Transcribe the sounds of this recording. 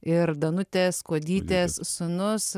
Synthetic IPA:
ɪɾd̪ɐnʊt̪ʲeːskoɔd̪ʲiːt̪ʲeːssʊnʊs

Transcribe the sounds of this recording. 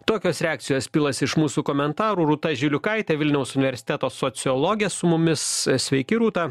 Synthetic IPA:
t̪oːkʲoːsɾʲɛaːk̚t̪sʲɪjoːsʲpʲɪlˠɐsɪʃmuːsuːkoːmʲɛnt̪ɑːɾuːɾuːt̪ɐʒʲɪlʲʊkɐɪt̪ʲeʋʲɪlʲnʲɛʊsʊnʲɪʋʲɛɾʲsʲɪ̥t̪ʲɛt̪oːsoːtsʲɪɔlˠɔɡʲɪjɛsʊmʊmʲɪssʲʋʲɛɪkʲɪɾuːt̪ɑː

